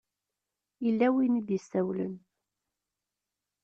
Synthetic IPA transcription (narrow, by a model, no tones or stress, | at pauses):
ilːæwinid̪jəsːæwlə̰n